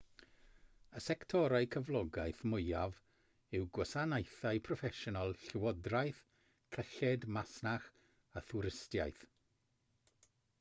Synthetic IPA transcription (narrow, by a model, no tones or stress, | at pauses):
əsɛktʰɔɾajkʰəvlˠɔɡajθmʊɨjav | ɪwɡwəsanajθajpʰrɔfɛʃɔnalˠɬɪwɔdrajθ | kʰəɬɛdmasnaχ | aθuɾɪstja̰jθ